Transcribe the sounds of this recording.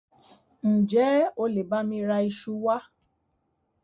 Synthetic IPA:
n̩˨d͡ʒɛ˨˦o˧˦le˨ba˦mĩ˧ɾa˧i˧ʃu˧wa˦

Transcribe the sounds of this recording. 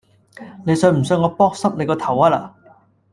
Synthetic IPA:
ne˨˧jsœː˧m̩˨˩sœː˧ŋɔː˨˧pɔː˥k̚sɐ˥p̚ne˨˧jkɔː˧t̪ʰɐ˨˩waː˧la̰ː˨

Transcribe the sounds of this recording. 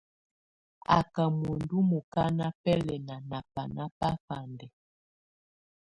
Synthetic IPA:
a̰˨ka˨mu˨ndu˦mu˨ka˦na˦pɛ˦lɛ˨na˨na˨pa˨na˦pa˦fa˨ndɛ˨

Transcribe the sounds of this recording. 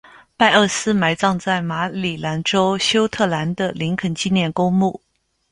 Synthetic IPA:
pa˥˧ɪə˥˩sɹ̩˥ma˧˥ɪt͡sɑ˥˧ŋt͡sa˥˩ɪma˧˥li˨˩la˧˥nʈ͡ʂo˥ʊɕjo˥ʊt̪ʰɤ˥˩la˧˥nd̪ə˧li˧˥ŋkʰə˨˩nt͡ɕi˥˧njɛ˥˩nko˥ŋmu˥˩

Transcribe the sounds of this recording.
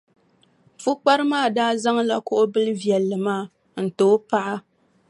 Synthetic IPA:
fu˦k͡pa˦ɾɨ˦maː˦˨daː˦za˦ŋla˨kʊ˦ʔo˦bɨ˦lɨ˦vjɛ˨lːɨ˨maː˦˨ | n̩˨toː˦pa˦ʔa˦

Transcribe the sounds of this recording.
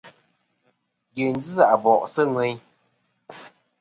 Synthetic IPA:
ɡe˨n̩˦d͡zi˦za˦˨ʔbɔ˨ʔsɨ˦ŋwɛ˨˦ɲ˦

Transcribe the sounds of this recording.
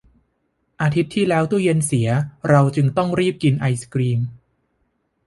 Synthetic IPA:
ʔaː˧t̪ʰi˦˥t̪ʰːiː˥˩lɛː˦˥wt̪u˥˩je˧nsi˩˦ɐɾa˧wt͡ɕɯ˧ŋt̪ɔ˥˩ŋɾiː˥˩p̚ki˧nʔa˧jskɾiː˧m

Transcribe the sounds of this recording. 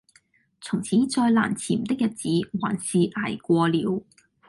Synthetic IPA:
t͡sʰʊ˨˩ŋt͡sʰiː˨˥nt͡sɔː˧jla̰ː˨˩nt͡sʰiː˨˩mt̪ɪ˥k̚jɐ˨˩t̚t͡siː˨˥waː˨˩nsiː˨ʔaː˨˩jkʷɔː˧liː˨˧˥w

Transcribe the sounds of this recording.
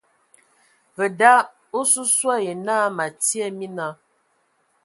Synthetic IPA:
və˨da˦ | o˦su˦swa˦je˨naː˦ma˨ti˦ɛ˦mi˦na˦

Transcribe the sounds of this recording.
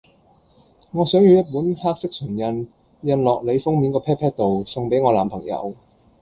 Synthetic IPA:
ŋɔː˨˧sœː˨˥ŋjy˨˧wjɐ˥t̚puː˨˥nhaː˥k̚sɪ˥k̚sʰɵ˨˩njɐ˧n | jɐ˧nlɔː˨k̚le˨˧jfʊ˥ŋmiː˨˧˥nkɔː˧pʰɛː˥pʰɛː˥t̚t̪o˨wsʊ˨˧ŋpe˨˥jŋɔː˨˧laː˨˩mpʰɐ˨˩ŋjɐ̰˨˧w

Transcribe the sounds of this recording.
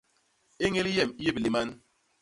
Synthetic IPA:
e˦ŋe˦li˦jɛ˦˨m˦je˦˨bli˨ma˦n

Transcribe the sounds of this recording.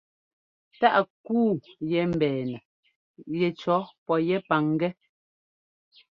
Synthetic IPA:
ta˦ʔkuː˦˨jɛ˨˦m̩˨bɛː˨nə˨ | jɛ˨t͡ʃɔ˨˦pɔ˨jɛ˦pa˨˦ŋ˦ɡɛ˦

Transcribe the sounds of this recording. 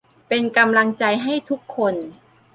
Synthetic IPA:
pe˧nka˧mla˧ŋt͡ɕa˧jɦa˥˩jt̪ʰu˦˥kʰːo˧n

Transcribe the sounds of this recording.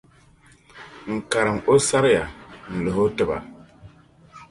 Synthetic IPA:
ŋ̩˨ka˨ɾɨ˨ŋo˦sa˦ɾja˨n̩˨lo˨ho˦tɨ˨ba̰˨

